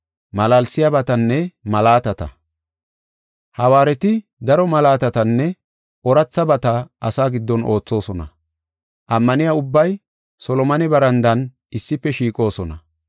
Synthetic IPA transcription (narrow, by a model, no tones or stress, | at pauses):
mɐlalsɪjabɐt̪ɐnːɛmɐlaːt̪ɐt̪ɐ̰ | hɐwaːɾɛt̪ɪ | d̪ɐɾɔmɐlaːt̪ɐt̪ɐnːɛ | ɔɾɐt͡sːɐbɐt̪ɐʔɐsaːɡɪd̪ːɔnʔo̞ːt͡sːo̞ːsɔnɐ̰ | ʔɐmːɐnɪjaʊbːɐj | sɔlɔmɐnɪbɐɾɐnd̪ɐn | ɪsːɪpːɛʃiːkʼo̞ːsɔnɐ